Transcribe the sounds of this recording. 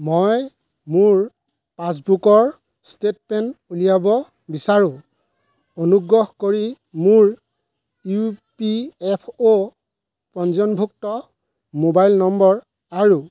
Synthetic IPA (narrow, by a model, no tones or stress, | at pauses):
moj | muɹ | pas̬bukɔɹ | stetpɛnulijabɔ | bisaɹʊ̃ | onuɡɹɔhkoɹi | muɹ | upiɛpʰo | pɔnzɔnbʱuk̚tɔ | mobajlnɔmbɔɹ | aɹu